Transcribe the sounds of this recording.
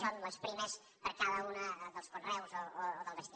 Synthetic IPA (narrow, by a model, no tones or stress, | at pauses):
sonləspɾiməs | pəɾkaðəunəðəlˠskunrɛwzooːðəlˠβəst̪i